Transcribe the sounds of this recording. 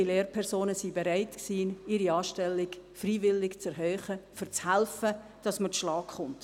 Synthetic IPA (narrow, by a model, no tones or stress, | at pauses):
ileːɾpʰɛʁsoːnəsibeɾaɪtksiːnɪɾiɑːʃtɛlːɪɡfriːvɪlːɪkt͡sɛɾɦœːχəfyɾt͡shɛlfəd̥ɑsməʃlɑːkχʊnt